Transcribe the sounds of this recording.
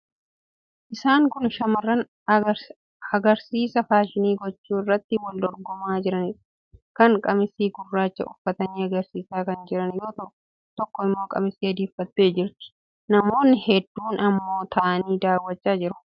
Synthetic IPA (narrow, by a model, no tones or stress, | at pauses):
ʔɪsaːŋkʊnʃɐmɐrːɐn | ɐɡɐɾsiːsɐfaːʃɪniːɡɔt͡ʃːuːɪrːɐt̪ːɪwɐld̪ɔɾɡɔmaːd͡ʒɪɾɐnɪ̥ | kɐŋkʼɐmɪsiːɡʊrːaːt͡ʃːɐ̰ʔʊfːɐt̪ɐniːɐɡɐɾsiːsaːkɐnd͡ʒɪɾɐnjo̞ːt̪ɐʔʊ | t̪ɔkːɔɪmːo̞ːkʼɐmɪsiːɐd̪iːfːɐt̪ːe̞ːd͡ʒɪɾt̪ɪ̥ | nɐmo̞ːnːɪhɛd̪ːuːnɐmːo̞ːt̪ʰɐʔɐniːd̪aːwːɐt͡ʃːaːd͡ʒɪɾʊ̥